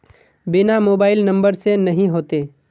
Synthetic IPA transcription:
bɪnamoːbaːɪlnɐ̃mbəɾsenɐɦĩɦoːt̪eː

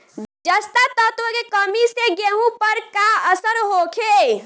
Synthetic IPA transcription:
d͡ʒəst̪at̪ət̪ʋəkekəmiseɡeɦũpəɾkaəsəɾɦokʰe

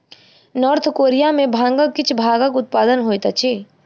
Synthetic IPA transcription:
nɔːɾt̪ʰkoːɾijamẽbʱãːŋɡəkːɪt͡ʃʰbʱaːɡəkʊt̪̚paːd̪ənɦoːjt̪at͡ʃʰiː

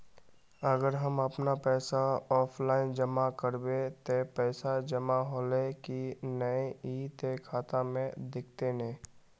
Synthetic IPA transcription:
əɡəɾɦəməpnapɛːsaɔːpʰlaːɪnd͡ʒəmakəɾbet̪opɛːsad͡ʒəmaɦoːlekinəeiːt̪ekʰaːt̪amẽd̪ɪk̚ʰt̪enẽː

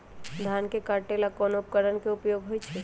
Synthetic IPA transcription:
d̪ʱankekaɾʈelakɔnoːp̚kəɾənkeʊpjoɡɦojt͡ʃʰe

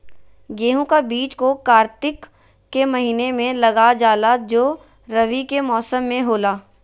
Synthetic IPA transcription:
ɡeːɦũkabiːt͡ʃkokaːɾt̪ɪkː | emɐɦiːnemẽlɐɡad͡ʒaːlad͡ʒoː | ɾɐʋikemɔːsəmːẽɦoːlaː

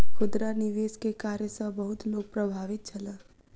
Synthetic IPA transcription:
kʰʊd̪ɾanɪʋeːskekaːɾjəsəbɐɦʊt̪loːɡ̚pɾɐbʱaːʋɪt̪̚t͡ʃʰɐlaː

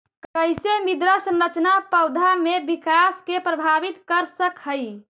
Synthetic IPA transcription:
kəjsemid̪ɾəsənɾət͡ʃnapəwd̪ʱamebikaskepɾəbʱabit̪kəɾsəkɦəj

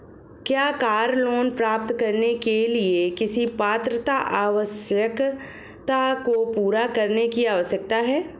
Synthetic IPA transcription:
kjaːkaːɾloːnpɾaːp̚t̪kɐɾnekeliekɪsipaːt̪ɾət̪aʔaːʋəsjək | t̪akopuːɾakɐɾnekiaːʋəsjək̚t̪aɦɛː

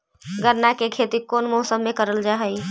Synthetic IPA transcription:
ɡəɾnakekʰet̪ikoːnmɔːsəmːẽkəɾəld͡ʒaɦəi

